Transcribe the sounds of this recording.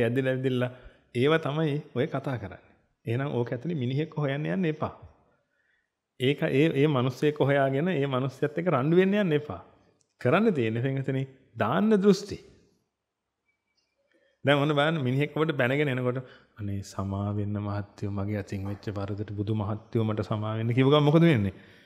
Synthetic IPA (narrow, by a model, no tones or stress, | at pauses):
ɛd̪ilɛʋid̪ilːa | eːʋat̪amajiojəkat̪aːkəɾa̰nːe̥ | eɦnãŋʔoːkeɛt̪ːiniminiɦekːoɦojanːejanːepa̰ː | eːkaʔeːʔeːmanusjəjekːoɦojaːɡenəeːmanusːjəjat̪ːekːəɾaɳɖuʋenːejanːepa̰ː | kəɾanːət̪eːnːepiŋːət̪ine | d̪aːnːəd̪ɾust̪i | d̪ɛŋonːəbalanːəminiɦekːoʋəʈ̬əbɛnəɡenəenəkoʈ̬ə | anːeːsamaːʋenːəmaɦat̪ːiʋəmaɡeːat̪iŋʋet͡ʃːəʋaɾud̪əʈəbud̪ʱumaɦat̪ːjiʋəmaʈəsamaːʋenːəkiʋuɡaʋmokəd̪əʋenːe